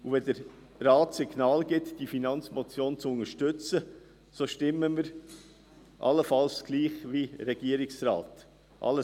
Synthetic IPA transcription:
uvɛd̪əɾ | rɑːtsiɡnɑːlɡɪt̪d̥ifinɑnt͡smɔt͡sjoːnt͡sʊnəʃtʏt͡sə | soʃtɪməməɾ | ʔɑ̰ləfɑlsɡ̥liːχʋiɾɛɡ̥iːəɾiksrɑ̰ːt | ʔɑ̰lə

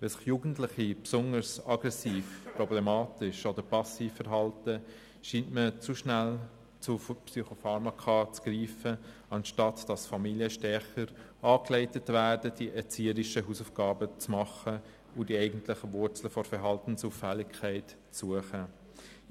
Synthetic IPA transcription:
vɛsɪ̥χjuːɡən̩tlɪχipsʊnəɾsɑɡɾɛsiːfpɾɔblɛmɑːtɪʃodəɾpɑsiːfɛɾɦɑltə | ʃiːntmət͡suʃnæl | t͡sufpsyχofɑɾmɑkʰɑːt͡sɡ̥ɾiːfə | ɑnʃtɑtd̥ɑsfɑmiljəʃtɛχəɾɑːklɛɪtətvæːdəd̥iʔɛɾt͡siːəɾɪʃəɦuːsufɡ̥ɑːbət͡smɑχə | ʊdiɛɪɡən̩tlɪχəvʊɾt͡sl̩fɔɾfɛɾɦɑltn̩suːfælːɪkʰːɛɪt | t͡suəχə

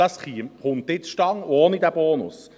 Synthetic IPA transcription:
ɑsχiːmχʊnt̪ɪt͡sʃtɑŋoːnid̪æb̥oːnʊ̰s

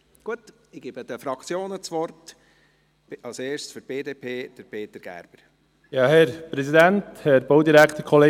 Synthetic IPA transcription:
ɡ̥uət | ɪɡ̥eːbəd̪əfɾɑkt͡sjoːnət͡sʋɔrt | ɑlseːʃsfyɾb̥eːdeːpʰeːd̪̥əɾpʰeːt̪əɾɡ̥æ̰ɾb̥əɾ | jɑːhɛɾpɾɛsidænthɛɾboʊd̪iɾækʰt̪əɾkʰɔleː

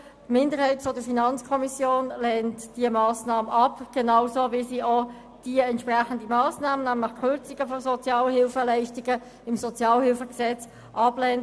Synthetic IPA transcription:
tmɪndəʁhɛɪtfɔd̥əɾfinɑnt͡skʰɔmisjoːnlɛntd̥iəmɑːsnɑːməʔɑpɡ̥enɑʊsoːvisiːɔ | d̥iəɛnt̪ʃpʁæχəndimɑːsnɑːmənæmləχkʰʏɾt͡sɪɡəfɔsɔt͡sjɑːlhɪlfəlɛɪʃtiɡə | ɪmsɔt͡sjɑːlhɪlfəɡsɛt͡s | ʔɑblɛnt

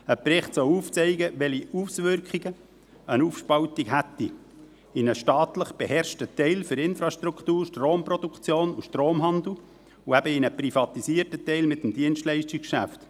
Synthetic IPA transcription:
əpɾɪχt̪sɔwuːft͡sɛɪɡəʋɛliusʋʏɾkχiɡ̥ə | ənufʃpɑʊt̪ikɦæt̪ːi | ɪnəʃtɑːt̪ləχb̥ehɛɾʃtət̪ɛɪlfɵɾɪnfɾɑʃtɾukt̪uːɾʃtroːmpɾod̪ukχt͡sjoːnuʃtɾoːmɦɑnd̪l̩ | uæbəɪnəprifɑt̪isiːərtətɛɪlmɪt̪ːəmd̪iənʃtlɛɪʃtikʃæ̰ft̪

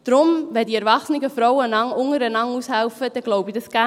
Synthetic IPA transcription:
d̥ɾʊmʋɛdiɛɾʋɑχsnɪɡəfɾɔwənɑŋʊŋəɾənɑŋushɛlfəd̥ɛɡloʊbid̥ɑsɡ̥æ

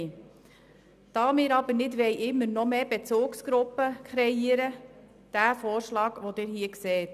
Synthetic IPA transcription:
d̥ɑːmɪːɾɑbəɾnɪdʋɛjʔɪmːəɾnɔmeːbet͡suːksɡ̥ɾʊpːəkχɾɛiəɾə | d̪̥æːfoːɾʃlɑːɡʋodɪːɾɦiəkseːt

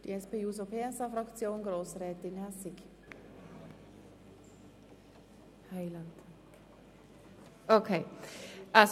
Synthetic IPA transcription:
d̥ḭɛspeːus̬opʰeːɛsɑfɾɑkt͡sjoːnɡɾoːsrɛːt̪ɪnasɪk | haɪlant | okʰe | ʔa

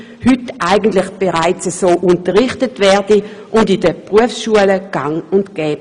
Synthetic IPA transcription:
hʏtʔaɪɡən̩tlɪχb̥eʁaɪt͡səsoːʔʊntəʁɪχtətvɛːɐdiʔʊndidəpʁuəfsʃuələɡ̥aŋʊntɡ̥ɛːb

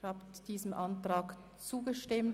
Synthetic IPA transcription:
haːpd̥iːzəmʔantʁaːk | t͡suːɡəʃtɪm

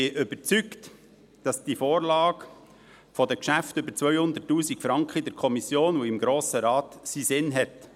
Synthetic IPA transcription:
ɪʔʏbəɾt͡sykt | d̥ɑsd̥ifoːɾlɑːɡ | fɔdəkʃæftʏbəɾt͡sʋœʏhʊnd̪ətːuːsikfɾɑŋkχəidɛɾkʰɔmisjoːnuɪmɡɾoːsəɾɑːtsiːsɪnɦɛt

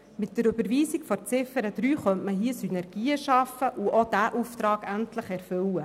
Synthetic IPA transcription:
mɪt̚d̥əɾɵbəɾʋiːsikfɔɾt͡sɪfəɾəd̪̥ɾyːχœntməɦiəsynɛɾɡ̥iːəʃɑfəʔuʔod̥æʔuft̪ɾɑːɡ̥æntləχɛɾfɵwə

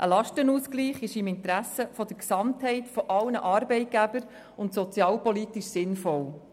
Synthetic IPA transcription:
ʔə̰lɑʃtənuːskliːχɪʃɪmɪnt̪ɾæsəfɔd̥̪əɾksɑmthɛɪtfɔʔɑlnəʔɑɾbɛɪt̚ɡ̥æbəɾ | ʊntsɔt͡sjɑːlpɔlitiʃsɪnfɔl

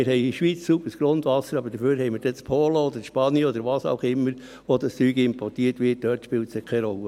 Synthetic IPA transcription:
ɪɾhɛɪiʃʋiːt͡ssupəsɡ̥ɾondʋɑsəɾɑbəɾd̥əføːɾɦɛɪməd̥ɛt͡spʰoːləɔd̥̪əʃpɑnjəɔd̪əɾʋɑːsɑ̰ʊχɪmːəɾ | ʋod̪ɑst͡syːɡəɪmpɔrtiːətʋɪːt̚d̥øːtʃpɪːltsɪkʰɛɪɾɔlːə

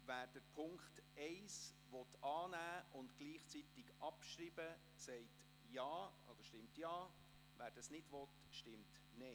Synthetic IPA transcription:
væːɾd̥əɾpʰʊŋkχtɛɪs | ʋɔtɑːnæːʊntɡ̥liːχt͡sit̪ɪɡɑpʃɾiːbə | sɛɪt | jɑːo̰d̥̪əɾʃtɪmtjɑː | væːɾd̥ɑsnɪdʋɔt | ʃtɪmt | nɛɪ

